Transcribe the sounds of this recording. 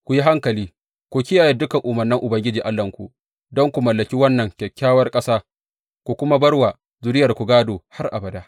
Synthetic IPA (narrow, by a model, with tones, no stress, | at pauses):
kʷu˨ji˦ɦa˦ŋkɐ˨liː˦ | kʷu˨kʲɪ˦jaː˨ji˦dʊ˦kɐ˨ŋʔʊ˨mɐ˨rnɪ˦ŋʔʊ˨bɐ˦ŋɡʲɪ˦d͡ʒiː˨ʔa˦lːɐ˨ŋkʷṵ˨ | dɔ˦ŋkʷu˨mɐ˨lːɐ˨kʲi˦wɐ˦nːɐ˨ŋkʲɛ˨kʲːaː˦wɐ˦rkʼɐ˦saː˦ | kʷu˨kʷʊ˦ma˦bɐ˦rwa˨ | zʊ˨dɪ˦jɐ˨rkʷu˨ɡaː˦doː˨ha˦rʔa̰˨bɐ˨daː˦ʔ